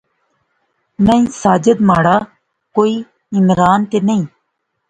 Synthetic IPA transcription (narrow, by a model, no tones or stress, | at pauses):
nə̃ĩsaːd͡ʒəd̪maːɽaː | koːiː | ɪmɾaːnt̪enəĩː